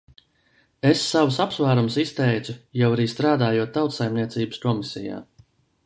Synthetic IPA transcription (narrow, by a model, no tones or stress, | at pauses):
esːawsapsvaːɾumsist̪ɛjt̪ujawaɾiːst̪ɾaːd̪aːjuɔt̪ːawt̪sajmniɛt̪siːbə̥skɔmisʲija̰ː